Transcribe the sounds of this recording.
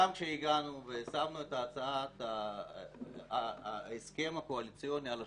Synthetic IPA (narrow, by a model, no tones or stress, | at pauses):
amkʃeiɡanuvesamnuetaːt͡saat̪a | eske̞mhakoalit͡sijo̞niala